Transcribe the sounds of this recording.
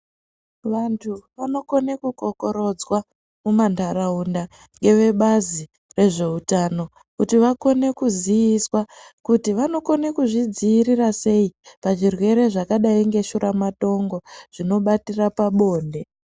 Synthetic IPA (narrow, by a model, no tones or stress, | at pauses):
ʋantʰuʋano̞ko̞ne̞kuko̞ko̞ɾo̞d͡zwa | mumandʱaɾaunda | ŋɡe̞ʋe̞ɓazi | re̞ʐe̞utano̞ | kutiʋako̞ne̞kuzijiswakutiʋano̞kone̞kuʐid͡ziːɾirase̞ipaʐirwe̞ɾe̞ʐakaɗaiŋɡe̞ʃuɾamato̞ŋɡo̞ʐ̥ino̞ɓatirapaɓo̞ːnde̞